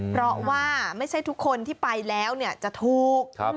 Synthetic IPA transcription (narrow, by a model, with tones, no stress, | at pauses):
pʰɾɔ˦˥waː˥˩ma˥˩jt͡ɕʰa˥˩jt̪ʰu˦˥kʰːo˧nt̪ʰiː˥˩pa˧jlɛː˦˥wni˥˩ɐt͡ɕa˨˩ʔt̪ʰuː˨˩k̚